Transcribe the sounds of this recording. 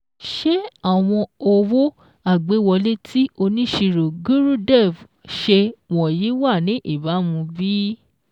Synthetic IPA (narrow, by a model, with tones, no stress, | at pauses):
ʃe˦a˦˨w̃ɔ̃˧o˧wo˦ | a˦˨ɡ͡be˨˦wɔ˧le˦tʰi˦o˧nĩ˦ʃi˧ɾo˨ɡu˦ɾũ˦dɛ˦˨v | ʃe˧wɔ̃˨ji˨˦wa˦˨nĩ˨˦ʔi˦˨ba˨˦mũ˧bi˦